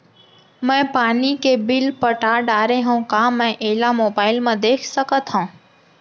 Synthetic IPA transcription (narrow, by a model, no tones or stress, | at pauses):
mɛ̃ːpaːnikebɪlpəʈaːɖaːɾeɦũːkãːmɛ̃ʔeːlamoːbaːɪlmãd̪eːkʰsəkət̪ɦõː